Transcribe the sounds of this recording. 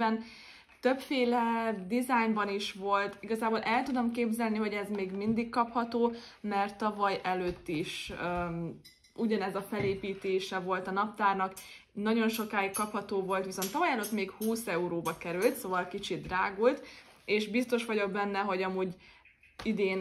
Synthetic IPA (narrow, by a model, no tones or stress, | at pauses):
ɛn | t̪øpfeːlɛd̪izajmbɒniʃʋo̞lt̪iɡɒzaːboːlʔɛlt̪ud̪o̞mkeːbzɛlniɦo̞ɟɛzmeːɡmind̪ikkːɒphɒt̪oː | mɛrt̪ːɒvɒjɛløːt̪ːiʃ | uɟɒnɛzɒfɛleːpiːt̪eːʃɛvo̞lt̪ɒnɒp̚t̪aːrnɒk | nɒɟo̞nʃo̞kaːikːɒphɒt̪oːvo̞lt̪ʋiso̞nt̪ːɒvɒjɛløːt̪meːkhuːsɛuɾoːbɒkɛɾylt̪soːvɒlkit͡ʃid̪raːɡuːlt̪eːʃbist̪oʃʋɒɟo̞ɡ̚bɛnːɛɦo̞ɟɒmuːɟ | id̪eːn